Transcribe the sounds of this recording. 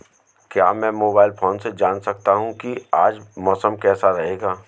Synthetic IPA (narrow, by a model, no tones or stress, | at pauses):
kja̰ːmɛ̃ːmoːbaːɪlfoːnsed͡ʒaːnsɐk̚t̪aɦũkiaːd͡ʒmɔːsəmkɛːsaɾɐɦeːɡaː